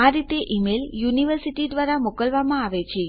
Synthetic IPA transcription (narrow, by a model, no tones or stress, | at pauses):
aɾit̪eʔimeljuniʋəɾsiʈid̪ʋaɾamokəlʋamãaʋet͡ɕʰe